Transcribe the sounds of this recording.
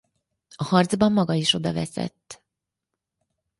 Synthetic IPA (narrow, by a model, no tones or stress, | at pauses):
ɒhɒrd̪zbɒmːɒɡɒiʃo̞d̪ɒvɛsɛ̰t̪ː